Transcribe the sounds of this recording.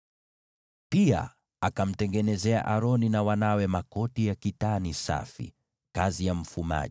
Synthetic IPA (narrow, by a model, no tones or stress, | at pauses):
pia̰ | akam̩tɛŋɡɛnɛzɛa̰ʔaɾɔninawanawɛmakɔtijakitanisa̰fḭ | kazijam̩fuma̰ʄ